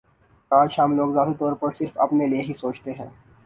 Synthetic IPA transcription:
ɾaːt͡ʃɦɐmloːɡzaːt̪it̪ɔːɾpɐɾsɪɾfɐ̰pnelieɦisoːt͡ʃt̪eɦɛ̃ː

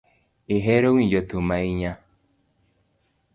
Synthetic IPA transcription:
eɦeɾowĩd͡ʒɔtomaiɲa

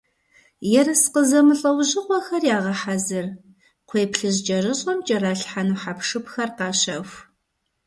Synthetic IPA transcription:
jɛrɨsqəzɐmɨɬʼɐwʑɪqʷɔxɐrjaːʁɐħazɨr | qʷʰeːjpʰɬɨʑd͡ʒʼɐrɨɕʼɔmt͡ʃʼɐɾaːɬħanuħapʂɨpxɐrqɑːɕɐxʷ

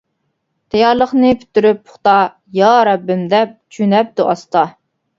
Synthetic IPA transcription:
t̪ʰɛjɑɾlˠəχnɨpʰy̥t̪ːyɾypːʰʊ̥χt̪ɑ | jɑɾɛbːɪmd̪ɛp̚t͡ʃʰynɛp̚d̪uʔɑst̪ɑ

